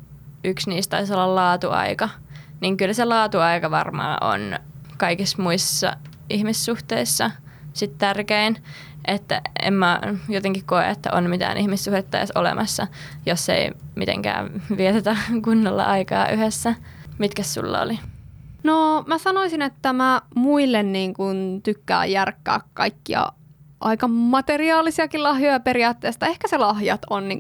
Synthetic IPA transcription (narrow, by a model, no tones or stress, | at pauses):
yksniːst̪ɑisolːɑllɑːt̪uɑ̰ikɑ | niŋkylselɑːt̪uɑikɑʋɑrmɑ̰ːʔo̰nkɑikismuisːɑ̰ | ihmisːuht̪eisːɑ | sit̪t̪ærkein | ʔet̪ːæ̰ḛmmæjot̪eŋkikkoḛet̪ːæʔonmit̪æ̰ːnʔihmisːuhdet̪ːɑjɑ̰solḛmʔɑsːɑjosːḛimit̪ḛ̃ŋkæ̰ːʋiet̪æt̪ækunːolːɑ̰ʔɑikɑ̰ːʔyhesːæ | mit̪kæssṵlːɑ̰o̰linomæsɑnoisinet̪ːæmæmuilːenniːŋkunt̪ykːæ̰ːjjærkːæ̰ːkkɑikːiɑ̰ | ʔɑikɑmɑt̪eriɑːlisiɑkilɑhjojɑpeɾiɑːt̪ːeːst̪ɑehkæselɑhjɑt̪onniŋ